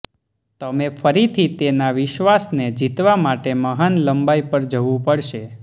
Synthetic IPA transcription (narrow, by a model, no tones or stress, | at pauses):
t̪əmefʰəɾit̪ʰit̪enaʋɪʃʋasned͡ʒit̪ʋamaʈeməɦanləmbaipəɾd͡ʒəʋũpəɽʃe